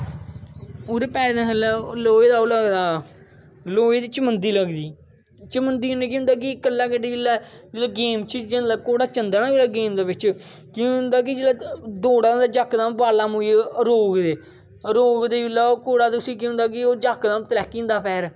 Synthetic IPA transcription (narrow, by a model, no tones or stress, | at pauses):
oɾepɛːɾd̪ãsəlɛloːeːd̪aːoləɡd̪aː | loːed̪iːt͡ʃəmənd̪iːləɡd̪iː | t͡ʃəmənd̪iːɦʊneːk̬iɦʊ̃nd̪aːk̬ɪkəlːaːkeɖiːɪlːaːd͡ʒelaːɡeːmt͡ʃʰid͡ʒənd̪akoːɽaːt͡ʃənd̪aːnãːeːlaːɡeːmd̪aːbɪt͡ʃ | kĩʊ̃nd̪aːk̬ɪd͡ʒeːlaːd̪oːɽãːd̪aːd͡ʒəkːd̪ãːmbaːlaːmʊ̃eɾoːɡd̪eː | ɾoːɡd̪eːʋɪlːaːoːkoːɽaːt̪ʊsĩːkiɦʊ̃nd̪aːk̬ɪoːd͡ʒakd̪ãːmt̪lɛːkːĩːnd̪aːpʰɛːɾ